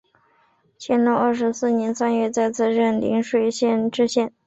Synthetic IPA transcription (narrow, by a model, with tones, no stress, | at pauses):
t͡ɕʰjɛ˧˥nt̪o˥˧ə˞˥˩ʂɻ̩˧˥sɹ̩˥˩njɛ˧˥nsa˥nɥɛ˥˧t͡sa˥˧ɪt͡sʰɹ̩˥˧ɻə˥˩nlḭ˧˥nʂwe˥˧ɪɕjɛ˥˩nʈ͡ʂɻ̩˥ɕjɛ˥˩n